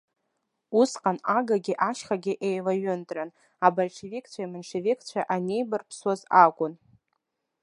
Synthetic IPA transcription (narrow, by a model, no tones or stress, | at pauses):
usqʼanaɡaɡʲɪʔaʃχaɡʲɪʔejlaɥʊndʼran | abalʂʰevikʰt͡ɕʷʰajmanʂevikʰt͡ɕʷʰaʔane̞jbɨrpʰswazakʷʼʊn